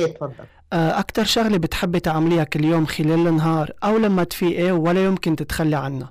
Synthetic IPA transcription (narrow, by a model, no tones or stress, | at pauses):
t̪fɑd̪ˤːɑ | ʔʔakt̪ɑɾˤʃaɣlebɪt̪ħɪbːit̪ʕamlijakɪljoːmxɪleːlɪnːɦɑːɾˤʔawlamːat̪fiːʔewalːajʊmkɪnt̪ɪt̪xalːiʕanːa